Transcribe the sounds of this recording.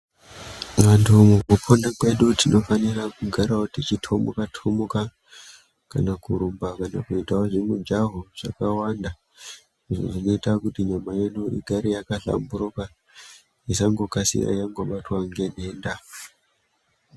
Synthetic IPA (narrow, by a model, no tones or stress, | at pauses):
ʋantʰumukupʰonakwe̞ɗutino̞fanirakuɡʱaɾaotit͡ʃitʰo̞mokatʰomoka | ka̰nakuɾumbakana̰kuitaoʐimud͡ʒaɦoʐ̥a̰kawanda | iʐo̞̰ʐino̞itakutiɲamaje̞ɗuʔḭɡʱaɾijakaɬa̰mbuɾoka | isaŋɡo̞kasḭra̰jaŋɡo̞ɓatwaŋɡeneːnda